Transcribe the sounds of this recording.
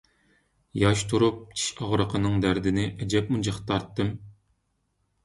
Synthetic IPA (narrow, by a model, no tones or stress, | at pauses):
jɑʃt̪ʰuɾup̚t͡ʃʰi̥ʃɑʁɾəqʰənɨŋd̪æɾd̪ɪnɪʔɛd͡ʒɛp̚mund͡ʒɑχt̪ʰːɑɾt̪ːɨm